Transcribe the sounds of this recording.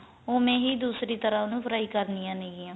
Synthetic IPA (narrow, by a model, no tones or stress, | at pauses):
oːmẽːɦiːd̪uːsɾiːt̪əɾãːnũːpʰəɾaːiːkəɾnijãːneɡɪːãː